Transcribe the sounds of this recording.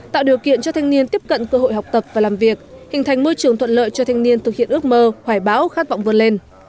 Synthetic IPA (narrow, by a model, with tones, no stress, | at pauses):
t̪a̰ː˧˨wɗi˨˩əwkḭ˧˨ənt͡ɕɔ˧t̪ʰa˧jŋni˧ənt̪i˦˥əp̚kə̰˧˨nkəː˧ɦo̰˧˨jɦa˨˩wk͡p̚t̪ə˨˩p̚vaː˨˩laː˨˩mvi˨˩ək̚hï˨˩ŋ̟t̪ʰa˨˩jŋ̟mo˧jt͡ɕɨ˨˩əŋt̪ʰwə˧˨nlə̰ː˧˨jt͡ɕɔ˧t̪ʰa˧jŋ̟ni˧ənt̪ɨ˨˩k̚hḭ˧˨ənɨ˦˥ək̚məː˧hwaː˧˩jɓaː˨˦wxaː˦˥t̚va̰˧˨ŋ͡mvɨ˧ənle˧n